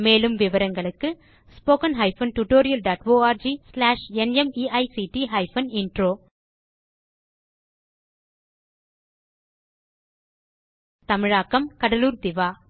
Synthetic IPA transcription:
meːlɯmʋɪʋɐɾɐŋɡɐɭɯkːɯ | spoːkɐnɦɐɪfɐnʈuʈːoːɾɪjɐlɖaːʈʋoːaːɾd͡ʒislaːʂɛnɛmiːɐɪsiʈiɦɐɪfɐnɪɳɖɾoː | t̪ɐmɪɻaːkːɐmkɐɽɐluːɾd̪ɪʋaː

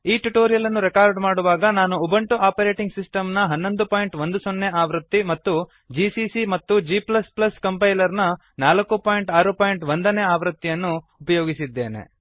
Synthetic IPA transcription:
iːʈuʈoːɾijɐlɐnːuɾɛkaːɾɖmaːɽuʋaːɡɐnaːnuubɐɳʈuʔaːpɐɾe̞ːʈiŋɡsisʈɐmnɐɦɐnːo̞nd̪upaːjɳʈʋond̪usonːe̞aːʋɾɐt̪ːimɐt̪ːu | d͡ʒiːsisimɐt̪ːud͡ʒiːplɐsplɐskɐmpɐjlɐɾnɐ | naːlɐkːupaːjɳʈaːɾupaːjiɳʈʋond̪ɐneːaːʋɾɐt̪ːijɐnːuː | pɐjoːɡisid̪ːe̞̰ːnḛ

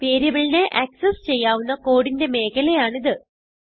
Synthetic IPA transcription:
peːɾɐʋɐɭineʔɐksest͡ɕe̞jːaːʋunːɐko̞ːɽinde̞me̞ːkɐlejaːɳiðɨ

